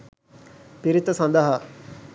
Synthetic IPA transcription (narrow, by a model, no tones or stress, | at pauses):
piɾit̪ɐsɐnd̪əɦɐ